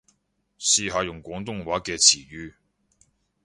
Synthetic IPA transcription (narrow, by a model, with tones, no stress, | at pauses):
siː˧ɦaː˨˧jʊ˨˩ŋkʷɔː˨˥ŋt̪ʊ˥ŋwaː˨˥kɛː˧t͡sʰiː˨˩jyː˧